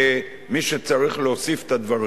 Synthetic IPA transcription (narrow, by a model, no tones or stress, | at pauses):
miʃet͡saʁiχleosife̥t̪ad̪vaʁ